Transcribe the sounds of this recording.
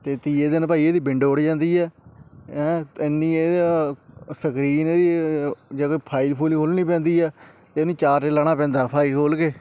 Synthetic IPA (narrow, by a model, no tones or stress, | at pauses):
t̪eːt̪iːeːd̪ɪnpaːiːeːd̪iːbɪɳɖoːʊɽd͡ʒãːnd̪iːɛːɦɛ̃ːɪnːĩːeː | səkɾiːneːd̪iːd͡ʒeːkoiːpʰaːilpʰuːliːkʰoːlniːpɛ̃ːnd̪iːɛː | t̪eːonĩːt͡ʃaːɾteːlaːɽ̃aːpɛ̃ːnd̪aːpʰaːiːkʰoːlkeː